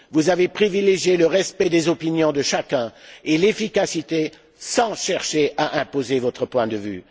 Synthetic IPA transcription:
vuzavepχivileʒjeləʁɛspɛd̪ezɔpinjɔ̃d̪əʃakɛ̃elefikasit̪e | sɑ̃ʃɛʁʃeʔaʔɛ̃pozevɔt̪χəpwɛ̃d̪əvy̰

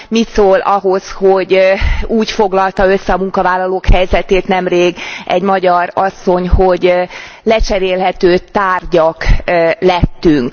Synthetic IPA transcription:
mit̪soːlʔɒɦo̞sho̞ɟuːcfo̞ɡlɒlt̪ɒø̞sːɛɒmuŋkɒvaːlːɒloːkhɛjzɛt̪eːt̪nɛmreːɡɛ̰ɟmɒɟɒɾɒsːo̞ɲhoɟlɛt͡ʃɛɾeːlɦɛt̪øːt̪aːrɟɒklɛt̪ːyŋk

